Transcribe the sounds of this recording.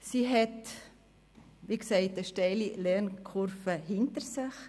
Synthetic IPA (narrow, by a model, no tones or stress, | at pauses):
siɦɛt | ʋiksɛɪt̚dəʃtɛɪlilɛnkʰʊɾfəhɪntəɾsɪχ